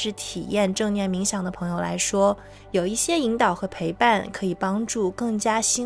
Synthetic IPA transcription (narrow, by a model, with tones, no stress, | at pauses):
ɻ̩˥˩t̪ʰi˨˩jɛ˥˧nʈ͡ʂɤ˥˧ŋnjɛ˥˩nmi˧˥ŋɕjɑ˨˩ŋd̪ə˦pʰɤ˧˥ŋjo˨˩ʊla̰˧˥ɪʂwɔ˥ | jo˨˩ʊi˥˩ɕjɛ˥i˧˥ŋt̪ɑ˨˩ʊxɤ˧˥pʰe˧˥ɪpa˥˩nkʰɤ˧˥i˨˩pɑ˥ŋʈ͡ʂu˥˩kɤ˥˩ŋt͡ɕja˥ɕi˥